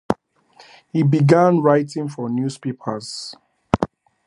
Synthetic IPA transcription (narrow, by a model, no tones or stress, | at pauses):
hibiɡãnɹaɪtɪ̃ŋfɔnjuspepʰəz̥